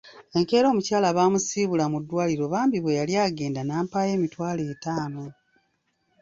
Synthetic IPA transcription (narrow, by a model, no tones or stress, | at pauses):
e̞ŋke̞ːɾo̞ːmucaːlaβaːmusiːβulamudːwaːliɾo̞βaːmbiβwe̞jaljaːɡe̞ːndanaːmpaːje̞ːmitwaːletaːno